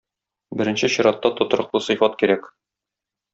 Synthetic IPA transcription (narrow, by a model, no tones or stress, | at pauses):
bɘ̆ɾɘ̆nɕɘɕŏɾɑt̪ːɑt̪ŏt̪ɤ̆ɾɤ̆qlˠɤsɤ̆jfɑt̪kiɾæk